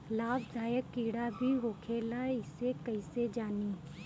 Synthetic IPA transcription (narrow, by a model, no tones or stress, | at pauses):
laːbd̪ʱaːjəkːiːɽabʱiɦoːkʰeːlaɪsekɐɪsed͡ʒaːni